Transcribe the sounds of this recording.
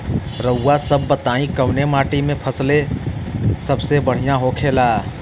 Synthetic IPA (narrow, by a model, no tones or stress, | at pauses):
ɾəʊːasəbːət̪aːĩkəwnemaːʈimẽpʰəsle | səbsebəɽ̤ijãɦoːkʰelaː